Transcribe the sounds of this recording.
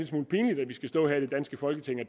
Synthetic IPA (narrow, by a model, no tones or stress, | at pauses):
ed̥smṵːl̩pʰiːnəlid̥æʋisɡ̥æsd̥ɔ̰̽ːɦæɐid̥e̝d̥ænsɡ̥əfɒ̽lɡ̥ət͡sʰe̝ŋ̰ɒd̥